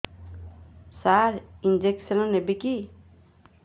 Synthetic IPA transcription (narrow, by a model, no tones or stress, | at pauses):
saɾind͡ʒeksɐnɔnebiki